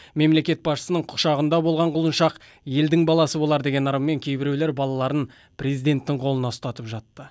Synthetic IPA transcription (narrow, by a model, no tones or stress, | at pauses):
me̞mle̞kʲe̞t̪̚bɑsʃə̥sənəɴqʰʊ̥ʃɑʁənd̪ɑbo̞lˠʁɑɴqʊlˠənʃɑq | je̞ld̪ɪŋbɑlˠɑsəbo̞lˠɑɾd̪e̞ɡʲe̞nɑɾəmːe̞ŋkʲʰe̞jbɪɾewle̞ɾbɑlˠɑlˠɑɾən | pɾe̞zijd̪e̞nt̪ːɪŋqʰo̞lˠənɑst̪ɑt̪əpʒɑt̪ːə